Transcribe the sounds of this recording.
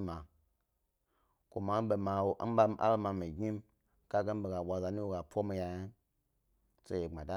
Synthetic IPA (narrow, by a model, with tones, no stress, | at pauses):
ma˨ | ko˨ma˨˦be˨ma˨wo˨ʔa˦ba˧˦m˦ʔa̰˦lma˨mi˨ɡi˦m | ka˦ɡe˦n˦be˨ɡa˨wa˨za˨ni˦wu˦ɡa˨pʷo˦mi˨ja˨ja˦n | se˦e˨ŋ͡ma˨da˦